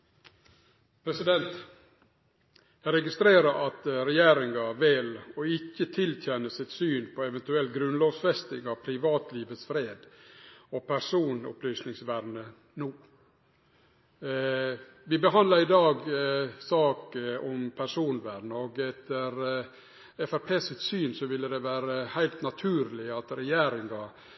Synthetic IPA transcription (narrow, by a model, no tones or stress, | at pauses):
pʰɾɛsɪd̪ɛnt̪ | jæɪɾɛɡɪst̪ɾeːɾəɾʔɑt̪ɾɛjeːɾɪŋɑʋɪlɔɪkːət̪ʰɪlt̪ʰjɛnəsɪt̪syːnpʰɔɛʋɛnt̪ʉɛlt̪ɡɾʉnloːʋsfɛst̪ɪŋɑʋpʰɾɪʋɑːt̪liːʋət̪sfɾeːd̪ɔpʰæɾʂuːnʊ̰plyːsnɪŋsʋæɾnə | nuː | ʋɪbəɦɑnd̪lɑɾɪd̪ɑːɡsɑːkəɔmpʰæɾʂuːnʋæɾnəɔɡɛt̪ːəɾ | ɛfæɾpʰeːsɪt̪syːnsɔʋɪlːəd̪ɛʋæːɾəhæɪlt̪nɑt̪ʰʉːɾlɪɑt̪ɾɛjæːɾɪŋɑ